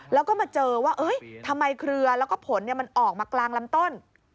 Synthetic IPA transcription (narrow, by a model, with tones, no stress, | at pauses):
lɛː˦˥wkɔː˥˩maː˧t͡ɕɤː˧waː˥˩ʔɤː˦˥jt̪ʰa˧mːa˧jkʰɾɯ˧ɐlɛ˦˥wkɔː˥˩pʰo˩˦nːi˥˩ma˧nʔɔː˨˩k̚maː˧klaː˧ŋla˦˥mt̪o˥˩n